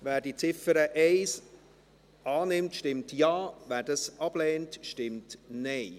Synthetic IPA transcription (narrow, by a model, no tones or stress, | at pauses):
væːɾdit͡sɪfəɾəʔɛɪs | ɑːnɪmtʃtɪmtjɑːvæːɾdɑsɑb̥lɛːntʃtɪmtnɛɪ